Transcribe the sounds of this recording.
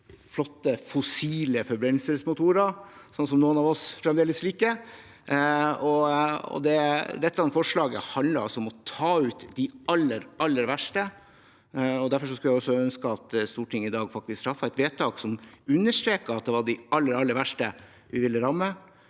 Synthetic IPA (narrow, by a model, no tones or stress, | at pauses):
flɔt̪ːəfɔsiːləfɔɾbɾɛnl̩səsmʊt̪ʰuːɾɑsɔnsɔmnuːənɑːʋɔsfɾɛmd̪eːləsliːkə | ɔɔ̰d̪ɛd̪ɛt̪ːɑnfɔʂɭɑːɡə̰hɑnd̪ləɾɔ̰sɔɔmɔt̪ʰɑːʉːt̪d̪ɪʔɑlːəɾɑlːəɾʋæʂʈə | ɔd̪æɾfɔʂ̬ɔskʉljæɪɔsːɔœnskəɑt̪st̪uːʈʰɪŋəɪd̪ɑːɡfɑk̚t̪ɪskst̪ʰɾɑfːɑæɪt̪ʋeːt̪ʰɑːksɔmʉnːəʂʈ̪ɾeːkəɑt̪̚d̪ɛʋɑɖɪʔɑlːəɾɑlːəɾʋæʂʈə | ʋɪʋɪlːəɾɑmːə